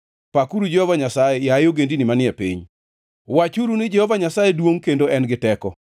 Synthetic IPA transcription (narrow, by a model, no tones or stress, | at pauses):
pakuɾud͡ʒɛhɔvaɲasajejajoɡendinɪmanɪɛpḭɲ | wat͡ʃuɾunɪd͡ʒɛhɔvaɲasajedwoŋkendoɛnɡɪtɛkɔ